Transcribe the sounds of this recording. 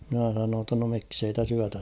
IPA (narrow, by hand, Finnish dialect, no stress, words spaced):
mĭnæ sɑnoːn tːɑ no miksei tæs yætæ